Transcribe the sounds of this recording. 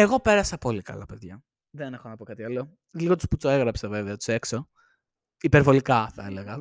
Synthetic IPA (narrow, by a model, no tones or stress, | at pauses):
eɣo̞pe̞ɾɐsɐpo̞likɐ̰lɐpe̞ðʝɐ | ðenexonɐpo̞kɐt̪iɐlo̞ | lliɣot̪u̥sput͡soeɣɾɐpsɐveveɐt̪u̥se̞kso̞ | ipeɾvo̞likɐθɐeleɣɐ